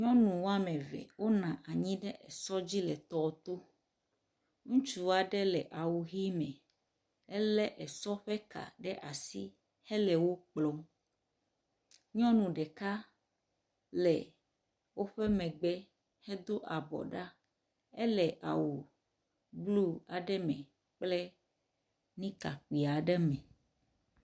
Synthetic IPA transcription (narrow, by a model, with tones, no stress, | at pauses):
ɲɔ̃˦nũ˨wo˦a˦mɛ̃˨vɛ̰˨wo˦nã˨ʔa˨ɲĩ˦ɖɛ˦ʔɛ˨sɔ˦d͡ʑi˦lɛ˨t̪ɔ˦˨t̪o˦ | ŋũ˦t͡ʃu˦wa˨ɖɛ˦lɛ˨ʔa˨wu˨ɣi˦mɛ̃˨ | ɛ˦lɛ˦ʔɛ˨sɔ˦ɸɛ˦ka̰˨ɖɛ˦ʔa˨si˦ | hɛ˦lɛ˨wo˦k͡plɔ˨m | ɲɔ̃˦nũ˨ɖɛ˨ka˦ | lɛ̰˨ | wo˦ɸɛ˦mɛ̃˨ɡ͡bɛ˦ | hɛ˦d̪o˦ʔa˨bɔ̰˨ɖa˦ | ɛ˦lɛ˨ʔa̰˨wu˨ | blu˦a˨ɖɛ˦mɛ̃˨ | k͡plɛ˦ | nĩ˦ka˨k͡pi˨a˨ɖɛ˦mɛ̃˨